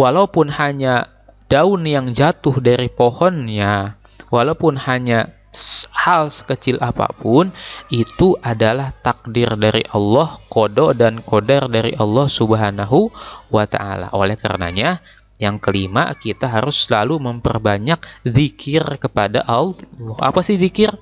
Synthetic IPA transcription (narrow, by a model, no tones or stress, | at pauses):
walaupʊnhaɲa | d̥aʊnjaŋd͡ʒat̪ʊhdaɾipohɔnja | walaupʊnhaɲa | shalsə̥kət͡ʃɪlʔapa̰pʊnit̪uʔadalaht̪ak̚dɪrdaɾḭʔɑlːɔhkododankodardaɾiʔɑlːɔhsubəɦanaɦuwat̪a̰a̰la̰ʔolɛhka̰ɾə̰na̰ɲa | jaŋkəlima̰kit̪aɦaɾʊsːəlaluməmpərbaɲak̚ðikʰɪrkəpada̰ʔala̰pasɪhðikɪr